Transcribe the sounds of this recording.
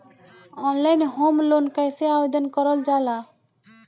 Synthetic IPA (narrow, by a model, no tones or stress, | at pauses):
ɔnlajnɦomlonkajseabed̪ɔnkɔɾɔld͡ʒala